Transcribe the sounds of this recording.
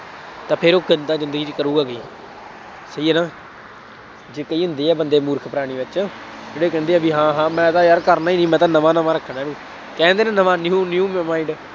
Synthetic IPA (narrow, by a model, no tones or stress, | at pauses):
t̪ãːpʰɪɾoːkənd̪aːzɪnd̪əɡiːt͡ʃkəɾuːɡaːɡiː | səiːɛːnaː | d͡ʒeːkəiːɦʊ̃nd̪eːɛːbənd̪eːmuːɾkʰpəɾaːɽ̃iːʋɪt͡ʃaː | d͡ʒeːɽeːk̬ɛ̃ːnd̪eːaːbĩːɦãːɦãːmɛ̃ːt̪ãːjaɾkəɾnaːiːnĩːmɛ̃ːt̪̬ãːnəʋãːnəʋaːɾəkʰːɽaːnĩː | kɛ̃ːnd̪eːnãːnəʋãːnjuːnjuːmmaːɪɳɖ